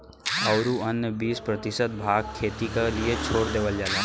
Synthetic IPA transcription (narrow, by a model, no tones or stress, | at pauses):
ɐʊɾuənːjəbiːspɾət̪ɪʃət̪̚bʱaːɡ̚kʰːeːt̪ikaliet͡ʃʰoːɾd̪eːʋəld͡ʒaːlaː